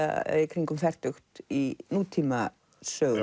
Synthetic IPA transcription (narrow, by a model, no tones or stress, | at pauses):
kʰɾiŋkʏmfɛr̥t̪ʏxt̪inuːt̪ʰiːma | sœː